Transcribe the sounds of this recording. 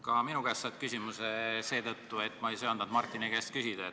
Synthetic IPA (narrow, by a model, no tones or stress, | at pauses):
kɑminuɡ̥æst̪sɑt̪̚kysʲimusese̞ːt̪ɤt̪ːue̞t̪ːˑmɑejsoɑnd̪ɑnd̪mɑrt̪ːˑinikɡæst̪̚kysid̪̥ɑe